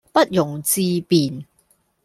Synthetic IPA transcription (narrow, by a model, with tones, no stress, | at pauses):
pɐ˦˥t̚jʊ˨˩ŋt͡siː˧piː˨˩n